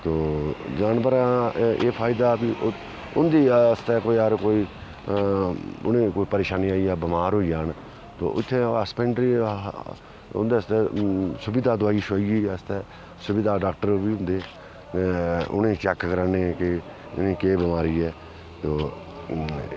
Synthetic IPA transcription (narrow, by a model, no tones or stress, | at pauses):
t̪oːd͡ʒaːnbəɾãːeːpʰaːɪd̪aːbiːʔ | ʊnd̪iːst̪ɛːkoːiːəɾkoːiː | ʊ̰nẽːkoːiːpəɾeːʃaːniaːiaːbəmaːɾɦoːid͡ʒaːn | t̪o̰ːʔʊt̪ʰːeːaspẽːɳɖɾiː | ʊ̰nd̪eːəst̪ɛːsʊbɪd̪aːd̪ʊaːiːʃaːiiːəst̪ɛː | sʊbɪd̪aːɖaːk̚ʈəɾoːbiːʊnd̪eː | ʊ̰nẽːt͡ʃɛːkkəɾaːnekɪ | ʊ̰nẽːkeːbɪmaːɾiːɛː | t̪oː